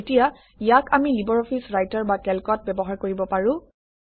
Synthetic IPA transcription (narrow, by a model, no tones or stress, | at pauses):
etija | ijakʰamilibɔɹɔpʰisɹajtaɹbakɛlkɔt̚bɛbɔɦaɹkoɹibɔpaɹʊ̃